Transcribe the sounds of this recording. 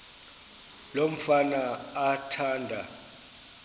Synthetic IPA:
lom̩fanaːtʰaːndʱa

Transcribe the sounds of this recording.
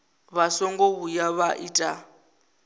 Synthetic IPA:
βasɔŋɡɔβujaβaʔitʼa

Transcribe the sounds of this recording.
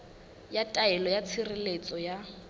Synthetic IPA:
jatʼaɛlɔjat͡sʰirɪlet͡sʼɔja

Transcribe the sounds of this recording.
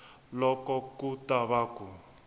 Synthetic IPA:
lɔkɔkutʼaβaku

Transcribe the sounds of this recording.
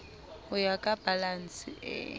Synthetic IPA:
ʊjakʼab̥alan̩sɪɛ̰

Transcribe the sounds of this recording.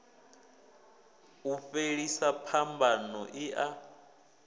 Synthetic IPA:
ufeɺisapʰambʱanɔʔiʔa

